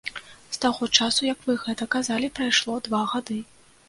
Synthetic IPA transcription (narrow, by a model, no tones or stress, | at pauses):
st̪aɣɔt͡ʂasujɐkvɨɣɛt̪ɐkazalʲipɾajʂlˠɔd̪vaɣad̪ɨ